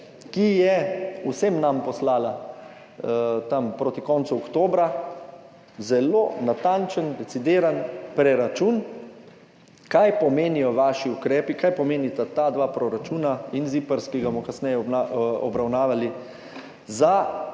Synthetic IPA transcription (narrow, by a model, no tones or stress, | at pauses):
kijɛusemnampɔslaːla | t̪ampɾoːt̪ikɔnt̪suɔkt̪oːbɾa | zɛlo̰ːnat̪ant͡ʃənd̪ɛt̪sid̪eːɾanpɾɛɾat͡ʃuːn | kajpɔmeːnijɔʋaːʃiukɾɛːpikajpɔmeːnit̪at̪ad̪ʋaːpɾɔɾat͡ʃuːnainzipəɾskiɡamɔkasnɛjɛaɔbɾawnaːʋali | za